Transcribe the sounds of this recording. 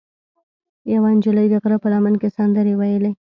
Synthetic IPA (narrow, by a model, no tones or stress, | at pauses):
jawɑnd͡ʒɪlajɡ̪aɣɾapəlɑmankesand̪əɾewajəle